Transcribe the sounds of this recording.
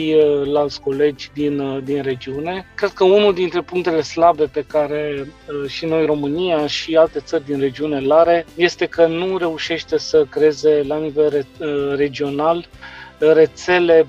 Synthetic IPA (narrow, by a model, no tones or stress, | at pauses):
ilalt̪sʲko̞le̞d͡ʒʲd̪ind̪inre̞d͡ʒiune̞kɾe̞d̪̥̚kəunuld̪int̪ɾe̞puŋk̚t̪e̞le̞slabe̞pe̞kaɾe̞ʃino̞jro̞mɨnijaʃialt̪e̞t̪sərʲd̪inre̞d͡ʒiune̞laɾe̞je̞st̪e̞kənuɾe̞uʃe̞ʃt̪e̞səkɾeeze̞lanive̞lere̞d͡ʒio̞nal | re̞t̪se̞le̞